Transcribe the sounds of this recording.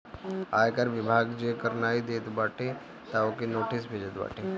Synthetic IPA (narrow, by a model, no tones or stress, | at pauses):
ajkaɾʋibʱaɡd͡ʒekəɾnaid̪et̪baʈʰe | t̪aokinoʈisbʱed͡ʒət̪ba̰ʈʰe